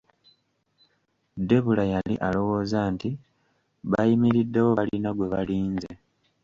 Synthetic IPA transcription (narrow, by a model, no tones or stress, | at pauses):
de̞βulajalḭʔalo̞wo̞ːzaːnti | βajimiɾidːe̞wo̞βalinaɡwe̞βaliːnze